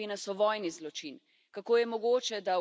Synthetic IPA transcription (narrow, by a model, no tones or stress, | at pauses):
inasɔʋɔːjnizlɔt͡ʃin | kakoːjɛmɔɡoːt͡ʃɛd̪a